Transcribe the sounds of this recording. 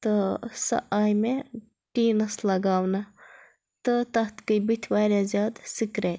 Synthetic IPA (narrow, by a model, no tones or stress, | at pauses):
t̪əsɐ̰ʔaːjme | ʈiːnɐslɐɡaːwnɐ | t̪ət̪ɐɦt̪kəjbit̪ʲʰʋaːɾʲjaːzʲjaːd̪sikɾe